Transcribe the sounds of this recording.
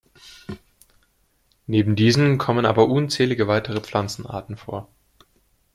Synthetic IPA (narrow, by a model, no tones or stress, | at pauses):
neːbm̩diːzən̩kʰɔmənʔaːbɐʔuːnt͡sɛːlɪɡəvaɪtʰəʁ̞əp͡flant͡sn̩a̰ːɐtn̩fo̰ːɐ